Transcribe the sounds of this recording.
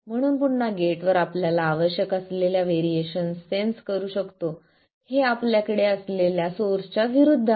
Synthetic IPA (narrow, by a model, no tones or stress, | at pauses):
m̤əɽ̃uːnpuɳnaɡeʈʋəɾapljalaːʋəɕjəkəsleljaʋeɾieɕənsenskəɾuːɕəkt̪o | heapljakəɽeəsleljasoɾt͡ɕaʋiɾud̪ʱː